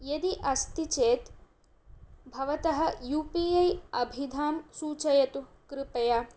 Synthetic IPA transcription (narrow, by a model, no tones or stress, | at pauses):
jɐd̪iʔɐst̪it͡ʃeːt̪ | bʱɐʋɐt̪ɐɦɐ̆juːpiɐjɐbʱid̪ʱaːmsuːt͡ʃɐjɐt̪ukɾɪpɐja